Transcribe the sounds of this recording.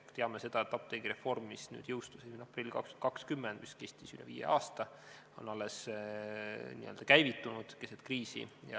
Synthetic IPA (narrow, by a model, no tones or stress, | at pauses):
t̪eɑmese̞d̪̥ɑet̪ːˑɑp̚t̪eɡ̥iɾe̞fo̞rmːisny̰ːd̪̥jɤwst̪usesinɑprilʲːikɑ̰kshynd̪̥kɑkskymːɛnd̪̥miske̞st̪isylɛviːḛʔɑːst̪ɑ | o̞̰nɑlːes | nḭø̰ld̪ɑkæjvit̪ːˑunud̪̥keset̪kriːsḭjɑ̰